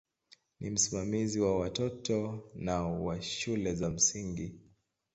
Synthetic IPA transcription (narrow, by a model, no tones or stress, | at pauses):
nḭm̩simamiziwawatɔtɔnawaʃulɛzam̩siŋɡi